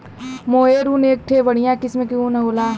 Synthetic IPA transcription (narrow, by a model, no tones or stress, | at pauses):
moːɦeɾuːneːk̚ʈʰeʋɐɽ̤ijãkɪsmẽkjũnɐɦoːlaː